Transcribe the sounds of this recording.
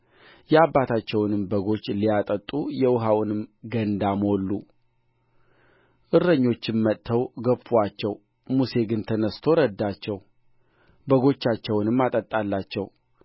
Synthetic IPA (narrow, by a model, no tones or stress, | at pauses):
jɛabːat̪ʰat͡ʃːɛwnɨmbəɡo̞t͡ʃːlijat̪ʼət̪ʼːujɛwʊɦawnɨmɡənd̪amo̞lːu | ʔɨɾəɲːo̞t͡ʃːɪnmət̪ʰːəwɡəfuwat͡ʃːɛw | muse̞ɡɨnt̪ʰənəst̪ʰo̞ɾəd̪ːat͡ʃːɛw | bəɡo̞t͡ʃːat͡ʃːɛwnɨmːat̪ʼət̪ʼːalːat͡ʃːɛw